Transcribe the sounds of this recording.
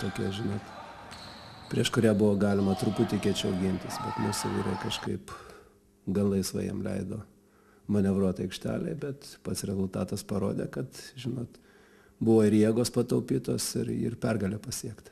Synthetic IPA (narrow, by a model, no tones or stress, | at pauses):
t̪oːkʲiɛʒʲɪnoːt̪ | pʲɾʲiɛʃkʊɾʲæbʊʋoːɡɑːlʲɪmɐt̪ɾʊput̪ʲɪkʲiɛt͡ʃʲɐʊɡʲɪnʲt̪ʲɪsbʲɛt̪mʊsɛʋʲḭɾɐkɐʃkɐɪp | ɡɐllˠɐɪsʋɐ̰jɛ̰mlʲɛ̰ɪd̪o̰ː | mɐnʲɛʋɾuɔt̪ɐɪkʃʲt̪ʲæ̰ːlʲɛ̰bʲɛt̪pɐt̪sɾʲɛzʊlˠt̪ɑːt̪ɐspɐɾo̰ːd̪ʲḛːkɐt̪ʒʲɪnoːt̪ | bʊʋoːɪɾjiɛɡoːspɐt̪ɐʊpʲiːt̪oːsɪɾɪ̰rpʲɛrɡɐlʲeːpɐsʲiɛkt̪